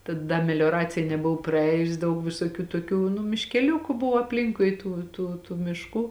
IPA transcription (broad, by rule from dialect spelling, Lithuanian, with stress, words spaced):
tɐ ˈdɐ mʲɛlʲoːˈrɑːt͡sʲɪjɛ nʲɛˈbʊʋoː prɐˈɛːjʊs ˈdɐʊk ʋʲɪsoːˈkʲuː toːˈkʲuː nʊ mʲɪʃʲkʲɛˈlʲʊkʊ ˈbʊʋoː ɐpʲˈlʲɪŋkʊɪ ˈtuː tuː tuː mʲɪʃˈkuː